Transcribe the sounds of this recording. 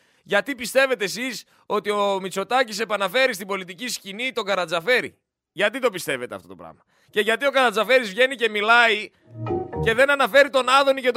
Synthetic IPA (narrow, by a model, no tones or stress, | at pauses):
ʝɐt̪ipist̪e̞ve̞t̪esis | o̞t̪io̞mit͡so̞t̪ɐcise̞pɐnɐfe̞ɾist̪ibo̞lit̪iciscinit̪o̞ɡɐɾɐnd͡zɐfe̞ɾḭ | ʝɐt̪it̪opist̪e̞ve̞t̪ḛft̪o̞to̞pɾɐ̰mɐ | ce̞ʝɐt̪io̞kɐɾɐnd͡zɐfe̞ɾizvʝe̞nice̞milɐi | ce̞ðe̞nɐnɐfe̞ɾit̪o̞nɐðo̞nicet̪